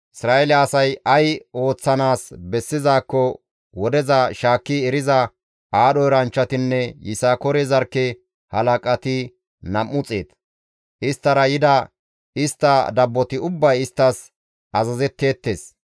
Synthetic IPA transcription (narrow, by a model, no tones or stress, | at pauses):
ɪsɾaːʔɛlɛɐsɐjʔɐjo̞ːt͡sːɐnaːsbɛsːɪzaːkːɔ | wɔd̪ɛzɐʃaːkːɪɛɾɪzɐ | ʔaːɗɔjɾɐnt͡ʃːɐt̪ɪnːɛjɪsaːkɔɾɛzɐɾkːɛ | hɐlɐkʼɐt̪ɪ | nɐmːʊt͡sʼeːt̪ | ʔɪst̪ːɐɾɐjɪd̪ɐ | ɪst̪ːɐd̪ɐbːɔt̪ɪʊbːɐjɪst̪ːɐs | ɐzɐzɛt̪ːe̞ːt̪ːeːs